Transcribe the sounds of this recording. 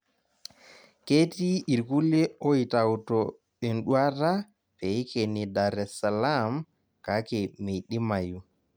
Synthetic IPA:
ke˦ti˦i˨ɾku˦le˦o˦i˨ta˨wtɔ | e˨nɗu˦a˦ɾa˦ | pe˨˦ke˨ni˨daɾɛ˨sa˨la˦m | ka˨˦ke˨me˨ɗi˦ma˨ju˦

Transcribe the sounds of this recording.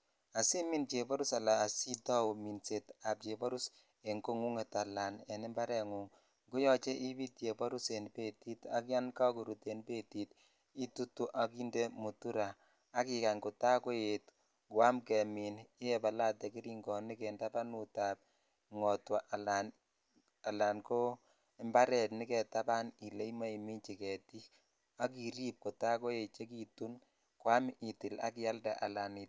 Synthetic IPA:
a˨si˦mi˦nt͡ʃe˨bɔ˦ɾu˦sa˨laː˨si˦ta˦u˨mi˨nse˨ta˨p̚t͡ʃe˨bɔ˦ɾu˦s | e˨ŋɡo˦ŋu˦ŋe˨ta˨la˨nɛ˨nɪ˦mba˦ɾɛ˨ŋu˨ŋ | ŋɡu˦jɔ˦t͡ʃe˦ʔi˦bi˦tje˨pɔ˦ɾu˦se˨npe˦ti˦ta˦k̬ja˦nka˦ku˨ɾu˨te˨npe˦ti˨t | i˦tu˦tu˦ʔa˨ki˦nde˦mu˨tu˦ɾaː˨˦ | ki˨ka˨ŋkʊ˨ta˦ko˦je˨t | kwa˦mkɛ˨mi˨nɪ˦jɛ˨pa˨la˦tɛ˨ki˦ɾi˦ŋɡɔ˨ni˦kɛ˨nda˦pa˦nu˨ta˨p̚ | ŋɔ˨twa˨ʔa˨lan | a˨la˨nko˦ | ɛ˨mba˦ɾɛ˨tni˦kɛ˨ta˦pa˦ni˨le˦i˦ma˦i˨mi˦nt͡ʃi˨kɛ˨ti˦ | a˦ki˨ɾi˦p̚ko˨ta˦ko˦je˨t͡ʃe˦ki˨tu˦n | kwa˦mʔi˨tɪ˨la̰˦kɪ˦ja˦lda˨ʔa˨la˨ni˨

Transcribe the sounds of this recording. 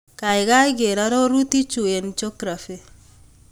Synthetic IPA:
ka˨ɪ˨ka˦ɪ˦ɡe˨ɾa˦ɾo˦ɾu˦t̪i˦t͡ʃu˨e˨nt͡ʃo˦kɾa˨fi˨

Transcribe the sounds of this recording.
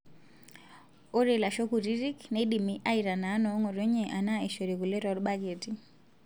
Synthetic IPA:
o˦ɾe˨la˨ʃo˦ku˨ɾi˦ɾi˦kne˦ɗi˨mi˦ʔa˦i˨ɾa˨na˨˦nɔ˨˦ŋɔ˨ɾo˦ɲe˨ʔa˨na˦e˨ʃo˨ɾe˨ku˨le˦ɾɔ˨˦ɾɓa˦d͡ʒe˨ti

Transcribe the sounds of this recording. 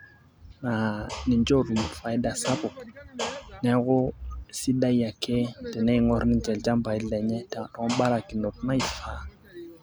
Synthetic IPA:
na˨ni˨nd͡ʒo˦˨ɾmu˨fa˨˦jda˦sa˦bu˨k̚ | ne˦ɡo˦si˦ɗa˦ja˨kʰe˦te˨ne˦˨ŋo˦ɾni˦nd͡ʒe˨ld͡ʒa˦mba˨jle˨ɲe˦te˨ŋa˨ɗo˨ŋo˦ɓa˦ɾa˨ki˨no˨t̚na˦i˨fa˨˦

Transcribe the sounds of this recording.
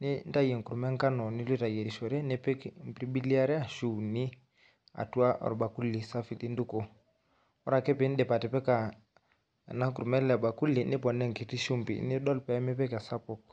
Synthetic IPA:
ni˦nda˦jɛ˨ŋ˨ku˨ɾu˨mɛ˦ŋ˦ka˦nɔ˨ni˦lwi˦ta˨jɛ˨ɾi˨ʃɔ˨ɾɛ˦nɛ˦pɛ˦km˨pɾi˦bi˦li˦a˦ɾɛ˦a˦ʃu˨ni˦ | a̰˨tu˦a˦ʔɔ̰˨ɾɔ˨ɓa˨ku˦li˨sa˦fi˨li˦ndu˦kɔ˨ | ɔ˦ɾa˨kɛ˦pɛ˨˦n̩˦dɛ˨pa˨tɛ˨pɛ˦ka˨ | na˦kuɾu˨mɛ˦lɛ˨ba˨ku˦li˨ni˦pɔ˨nɛ˦ŋki˨ti˦ʃu˦mbḭ˨ni˦dɔ˦lpɛ˦mɛ˦pɛ˦ka˨sa˦pɔ˨k

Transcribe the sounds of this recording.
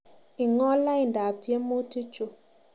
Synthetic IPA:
i˨ŋɔ˦la˦i˨n˨da˨btje˦mːo˦ti˦t͡ʃo˨

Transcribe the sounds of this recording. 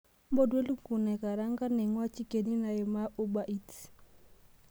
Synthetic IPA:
mbɔ˦dwe˦lu˦ku˨nɛ˨ka˨ɾa˦ŋɡa˦nɛ˨ŋwa˦t͡ʃi˦ke˨ni˦na˨jɔ˨ma˦ʔu˦ba˨ʔi˦t

